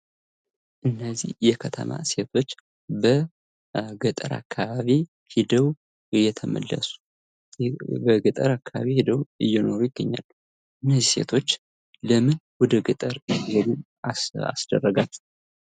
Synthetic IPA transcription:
ʔɨnːəzihjɛkʰət̪ʰə̰ma̰se̞t̪ʰo̞t͡ʃː | bə | ɡət̪ʼəɾa̰kʰːaβaβi | hid̪əw | ɨjːɛt̪ʰəmə̰lːə̰su̥ | bəɡɨt̪ʼəɾakʰːaβa̰βihid̪əwɨjːɛno̞ɾujɪɡːəɲːa̰lː | ɨnːəzːise̞̰t̪ʰo̞t͡ʃː | ləmɨnwɔd̪əɡɨt̪ʼəɾɨjɛlu | aa̰sd̪̥ərːəɡal

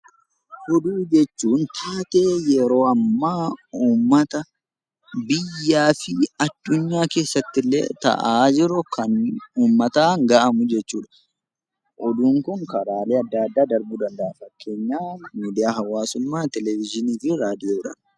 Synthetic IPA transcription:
hɔd̪uːd͡ʒɛt͡ʃːuːnt̪ʰaːt̪eːjɛɾo̞ːɐmːaːuːmːɐt̪ɐ | bɪjːaːfɪɐd̪̥ːʊɲːaːke̞ːsːɐt̪ːɪlːḛːt̪ɐ̰ʔaːd͡ʒɪɾʊkʰɐnuːmːɐt̪aːŋɡaʔɐmʊd͡ʒɛt͡ʃːuːᶑɐ̥ | ʔɔd̪uːŋkʊŋkɐɾaːleːɐd̪ːɐːd̪ːaːd̪ɐɾbuːd̪ɐnd̪ɐɐfɐkːe̞ːɲːaːnmiːd̪ɪjaːɦɐwaːsʊmːaːt̪ɛlɛvɪd͡ʒɪniːfɪɾaːd̪ɪjoːɪᶑɐn

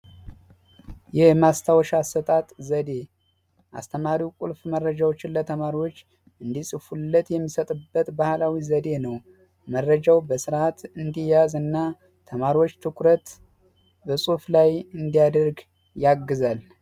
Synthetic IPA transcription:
jɛhmast̪ʰawɔʃasət̪ʼat̪ʼzəd̪e̞ | ʔa̰st̪ʰəmaɾiwkʼulfmərːəd͡ʒawot͡ʃːɪnlət̪ʰəmaɾiwo̞t͡ʃː | ɨnd̪isʼɨfulːət̪jɛmːisət̪ʼɨbːət̪bahlawizəd̪e̞nəw | mərːəd͡ʒawbəsɨɾat̪ɨnd̪ijazɨnːa | t̪ʰəmaɾiwo̞t͡ʃːt̪ʰɨkʰɾət̪ | bəsʼuflajɨnd̪ijad̪əɾɡ | jaɡːɨzal

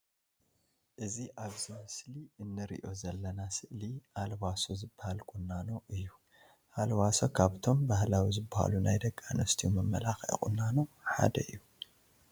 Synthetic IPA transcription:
ʔɨziʔaβzimɨsliɨnːɨɾḭʔo̞zɐlːɐnasɨʔliʔalwasozɨbːahalkʼunːano̞ʔɨjːu | ʔalwasokʰaβt̪ʰo̞mbahlawizɨbːaha̰lunajd̪ɐkʼːanɐst̪ʰiumɐmːɐlaxḭkʼṵnːano̞ħa̰d̪ɐɨjːu

